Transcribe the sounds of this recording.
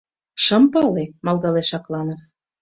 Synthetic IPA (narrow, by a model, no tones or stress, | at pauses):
ʃɤ̆mpɑlemɑlˠd̪ɑleʃɑklɑnɤ